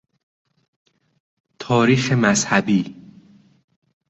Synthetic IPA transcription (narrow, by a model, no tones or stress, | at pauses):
t̪ʰɒːɾiːxemæzhæbiː